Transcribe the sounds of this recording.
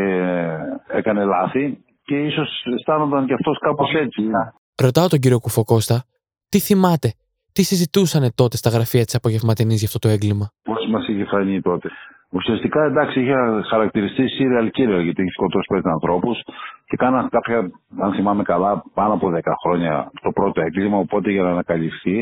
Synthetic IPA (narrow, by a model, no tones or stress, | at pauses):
e | ekɐnelɐθi | ce̞iso̞sest̪ɐnond̪ɐnceɐft̪o̞skɐpo̞se̞t͡sinɐ | ɾo̞t̪ɐo̞t̪o̞ɲɟiɾio̞kufo̞ko̞st̪ɐ | t̪iθimɐt̪e̞ | t̪isizit̪usɐne̞t̪o̞t̪e̞st̪ɐɣɾɐfiɐt̪i̥sɐpo̞ʝe̞vmɐt̪inizʝɐft̪o̞t̪o̞eŋɡlimɐpo̞smɐsiçefɐɲit̪o̞t̪e̞ | usiɐst̪ikɐend̪ɐksiiçexɐɾɐk̚t̪iɾist̪isiɾeɐlciɾeɐlʝɐt̪içeskot̪osi̥pest̪sɐnθɾo̞pusce̞kɐnɐkɐpçɐɐnθimɐme̞kɐlɐpɐnoɐpoðekɐxɾo̞ɲɐ̰t̪o̞pɾo̞t̪oe̞ŋɡlimɐopo̞t̪e̞ʝɐnɐːnɐkɐlifθi